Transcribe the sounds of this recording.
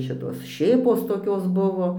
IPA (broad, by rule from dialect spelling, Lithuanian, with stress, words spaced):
ˈʃʲɪtoːs ˈʃʲeːpoːs toːˈkʲoːs ˈbʊʋoː